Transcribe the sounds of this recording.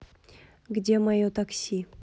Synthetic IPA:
ɡd̪ʲemajot̪aksʲi

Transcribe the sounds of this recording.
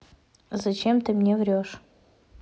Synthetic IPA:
zɐt͡ɕemt̪ɨmnʲevɾʲoʂ

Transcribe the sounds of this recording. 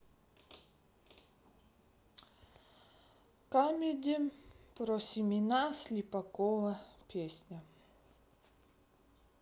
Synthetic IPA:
kamʲed̪ʲepɾɔsʲimʲinasʲlʲipɐkɔvɐpʲesʲnʲɐ

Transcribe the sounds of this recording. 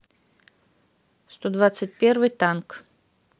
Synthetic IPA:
st̪ɔd̪vat̪sɨtʲpʲɛrvɨjt̪ank

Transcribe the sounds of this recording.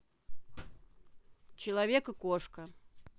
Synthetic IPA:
t͡ɕɪlˠɐvʲekɨkoʂkə

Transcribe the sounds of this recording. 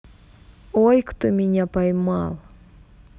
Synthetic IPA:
ojkt̪ʊmiɲʲapajmalˠ

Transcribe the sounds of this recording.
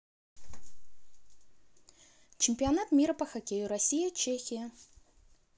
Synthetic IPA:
t͡ʃɪmʲpʲianat̪mʲiɾɐpɐxɐkʲejuɾɐsʲijɐt͡ʃʰexʲijɐ

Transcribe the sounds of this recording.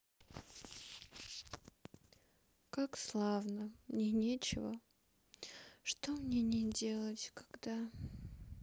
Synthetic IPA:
kakslˠavnəmnʲenʲet͡ɕɪvə̰ | ʂt̪omnʲenʲedʲe̞lˠətʲkḁɡd̪a

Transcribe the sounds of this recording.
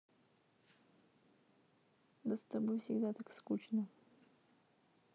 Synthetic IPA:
d̪əst̪ɐbojfsʲɪɡd̪at̪akskut͡ɕnə

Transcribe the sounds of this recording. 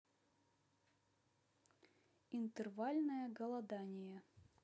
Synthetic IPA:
int̪ɨrvalʲnɐjɐɡɐlˠɐd̪anʲɪjɐ

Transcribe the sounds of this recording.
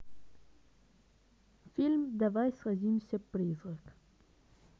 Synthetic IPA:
filʲmd̪avajsʁazʲimsʲapɾizʁək

